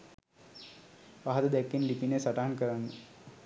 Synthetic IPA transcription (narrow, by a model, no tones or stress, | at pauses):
ʋaɦad̪əd̪ɛkːinlipinesaʈaɦankəɾanːə